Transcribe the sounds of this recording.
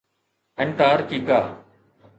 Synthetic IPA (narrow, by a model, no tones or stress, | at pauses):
ɛɳʈaːɾkiːɡaː